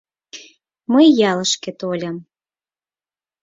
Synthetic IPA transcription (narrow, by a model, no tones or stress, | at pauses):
məjːɑləʃket̪olʲɑm